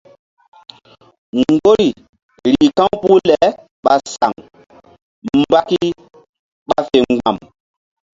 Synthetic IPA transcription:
ŋɡo˦ɾi˨ | ɾi˨kã˦wpu˦lɛ˨ | ɓa˨sa˨ŋ | mba˦ki˦ | ɓa˨fe˨ŋɡ͡ba˨m

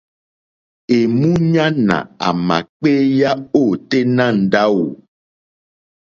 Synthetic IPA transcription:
e˨mũ˦ɲã˦nã̰˨a̰˨mã̰˨k͡pe˦ja˦o˦˨t̪e˦nã˦˨n̩˨ɖa˦wo˨

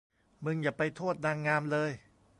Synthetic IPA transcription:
mɯ˧ŋjaː˨˩pa˧jt̪ʰoː˥˩t̪̚naː˧ŋːaː˧mlɤː˧j

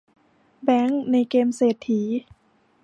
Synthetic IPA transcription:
bɛː˦˥ŋna˧jkeː˧mseː˨˩t̪ʰːiː˩˦

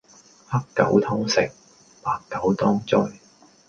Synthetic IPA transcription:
hɐ˥kkːɐ˨˥wt̪ʰɔː˥ŋsɪ˨k̚ | paː˨˩kːɐ˨˥wt̪ʰɔː˥ŋt͡sɔ˥j

